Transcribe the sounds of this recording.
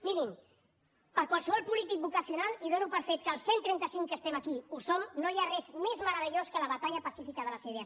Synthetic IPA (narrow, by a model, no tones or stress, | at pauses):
minim | pəɾkwalˠsəβɔlˠpulit̪ik̚bukəsiunaliðonupəɾfet̪̚kəlˠsent̪ɾɛnt̪əsiŋkəst̪ɛməkiusomnojarɛzmezməɾəβ̞əʎoskələβət̪aʎəpəsifikəðələsɛðea